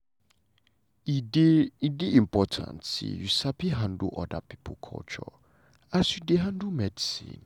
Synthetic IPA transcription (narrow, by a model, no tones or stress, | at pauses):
ideidɪĩmpʰɔtʰã̰ntsḭjusapiɦãndṵʔɔdapʰi̥pʰokʰɔ̰lt͡ʃʰɔ | asjudeɦãndumɛdisḭ̃n